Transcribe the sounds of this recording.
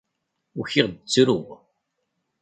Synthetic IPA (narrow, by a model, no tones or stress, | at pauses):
ʊçɪʁd̪ət͡sːɾʊʁ